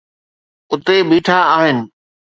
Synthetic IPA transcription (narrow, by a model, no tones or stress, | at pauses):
ʊt̪eɓiːʈʰaaːɦɪnɪ̆